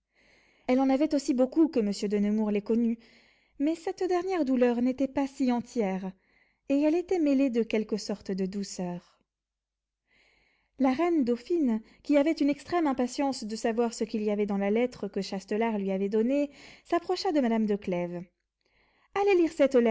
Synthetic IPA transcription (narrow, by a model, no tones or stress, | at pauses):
ɛlɑ̃navɛt̪osibokukəməsjød̪ənəmuʁlɛkɔny | mɛsɛt̪d̪ɛʁnjɛʁd̪ulœʁnet̪ɛpasiɑ̃t̪jɛʁ | eɛlet̪ɛmeled̪əkʲɛlkəsɔʁt̪d̪əd̪usœːʁ | laʁɛnd̪ofin | kʲiavɛt̪ynɛkst̪χɛmɛ̃pasjɑ̃sd̪əsavwaʁsəkʲiliavɛd̪ɑ̃lalɛt̪χəkəʃast̪əlaʁlɥiavɛd̪ɔnesapχɔʃad̪əmad̪amd̪əklɛv | aleliʁsɛt̪lɛ